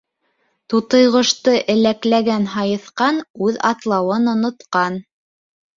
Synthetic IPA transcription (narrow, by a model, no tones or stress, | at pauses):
t̪ut̪ɤ̆jʁɤ̆ʃt̪ɤʔɘ̆læklæɡænɦɑjɤ̆θqɑnʉðɑ̰t̪lˠɑwɤnŏnŏt̪qɑn